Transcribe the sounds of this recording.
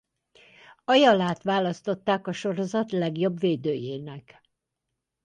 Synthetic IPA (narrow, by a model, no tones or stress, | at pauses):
ɒjɒlaːt̪ʋaːlɒst̪o̞t̪ːaːkɒʃo̞ɾo̞zɒt̪lɛɡjo̞bveːd̪øːjeːnɛk